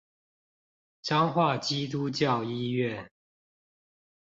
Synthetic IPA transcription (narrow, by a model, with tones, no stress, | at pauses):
ʈ͡ʂɑ˥˦ŋxwa˥˨˩t͡ɕi˦t̪̬u˦t͡ɕjɑ˥˨ʊi˦ɥɛ˥˨